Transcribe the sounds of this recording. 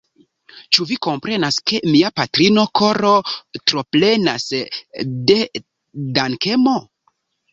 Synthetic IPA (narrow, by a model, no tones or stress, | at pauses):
t͡ʃuviko̞mpɾe̞naske̞miapatɾino̞kʰo̞ɾo̞tɾo̞ple̞nas | de̞ | danke̞mo̞